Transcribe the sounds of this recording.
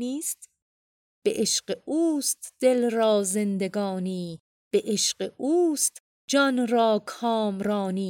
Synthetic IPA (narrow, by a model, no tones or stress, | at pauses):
niːst̪ | b̥ḛʔeʃɢeʔuːst̪d̪̥elɾɒːzend̪eɡɒːniː | b̥eʔeʃɢeʔuːst̪ | d͡ʒɒnɾɒːkʰɒːmɾɒːniː